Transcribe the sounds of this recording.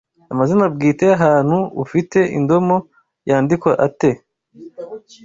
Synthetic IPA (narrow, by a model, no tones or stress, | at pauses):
amazinab̚ɡiːteaɦaːn̥huufite̞ḭndo̞mo̞ | jaːndikwaʔate̞